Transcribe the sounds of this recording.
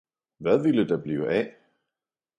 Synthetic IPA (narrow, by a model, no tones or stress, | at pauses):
ʋæðˠʋiləd̥ɑb̥liːʊʔæ